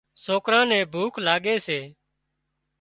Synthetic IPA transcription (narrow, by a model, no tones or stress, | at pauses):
soːkɾãːnɛ̃ːbʱuːkʰlaːɡeːseː